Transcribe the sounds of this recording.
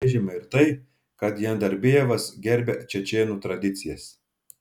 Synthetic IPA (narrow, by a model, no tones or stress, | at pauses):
ʒʲɪmɐɪɾt̪ɐɪ | kɐt̪jɛnd̪ɐɾʲbʲeːʋɐsɡʲɛɾʲbʲɛt͡ʃʲɛt͡ʃʲeːnuːt̪ɾɐd̪ʲɪt̪sʲɪjɛs